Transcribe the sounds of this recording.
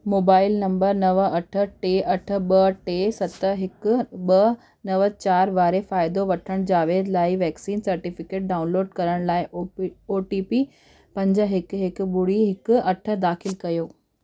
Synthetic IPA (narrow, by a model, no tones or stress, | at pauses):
moːbaːɪlnɐ̃mbəɾnɐʋɐʈʰə̆ʈeːʔɐʈʰə̆ɓɐʈeːsɐt̪əɦɪkʊ̆ɓɐ | nɐʋət͡ɕaːɾʋaːɾefaːɪd̪oʋɐʈʰəɽ̃d͡ʑaːʋeːd̪laːɪʋɛːksiːnsɐɾʈiːfɪkeːʈ̚ɖaːʊnloːɖkɐɾəɽ̃laːɪoːʈiːpi | pɐ̃ɲd͡ʑə̆ɦɪkɦɪkʊɓʊɽiɦɪkʊɐʈʰə̆d̪aːxɪlkɐjoː